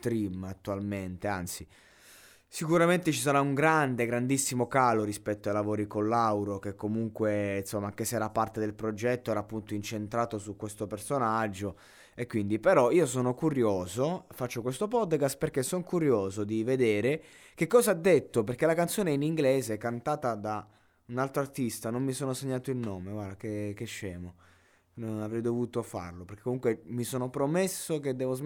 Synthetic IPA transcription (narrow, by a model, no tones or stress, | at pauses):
t̪ɾimat̪ːualment̪ea̰nt̪si | sikuɾament̪et͡ʃis̬aɾauŋɡɾand̪eɡɾand̪isːimokaːloɾispɛt̪ːoajlavoːɾikonlawɾok̟ekːomuŋkwensomːaaŋkeseɛːɾapːart̪ed̪elpɾod͡ʒɛt̪ːoɛːɾaːpːunt̪oint͡ʃent̪ɾaːt̪osukːwest̪opersonad͡ʒːo | ekːwind̪ipeɾɔiːosoːnokuɾjoːzofat͡ʃːokwest̪opɔd̪kast̪̚perkesoŋkuɾjoːzod̪ived̪eːɾe | kekːɔːzaad̪ːet̪ːoperkelakant̪soːneiniŋɡleːzeɛkːant̪aːt̪ad̪a | unalt̪ɾoart̪ist̪anommisoːnoseɲːaːt̪oilnoːmeɡwad̪akekeʃːɛːmo | nonavɾɛjd̪ovuːt̪ofa̰rloperk̟ekomuŋkwemisoːnopɾomesːoked̪ːɛːvoz